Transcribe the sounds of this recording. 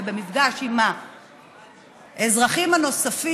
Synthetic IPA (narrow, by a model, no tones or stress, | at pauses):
bemifɡaʃima | ezʁaχimhano̞safi